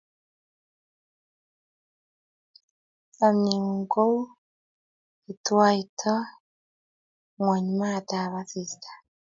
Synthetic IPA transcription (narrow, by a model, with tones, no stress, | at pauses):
a˨mi˨ŋu˨ŋɡo˦ | i˨twa˦i˨tʰɔ˦ | ŋwa˨ɲ˨ma˦˨t̪a˨βa˨θi˨sḁ˨